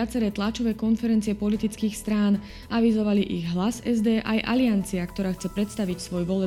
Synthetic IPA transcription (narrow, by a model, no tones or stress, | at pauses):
at͡sɛɾɛːt̪lat͡ʃɔʋɛːkɔnfɛɾɛnt͡siɛpɔlit̪it͡skiːxst̪ɾaːn | aʋizɔʋaliʔiɣɦlasɛzd̪ɛːʔajʔa̰liant͡siakt̪ɔɾaːxt͡sɛpɾɛt̪st̪aʋicsʋɔjʋɔlɛ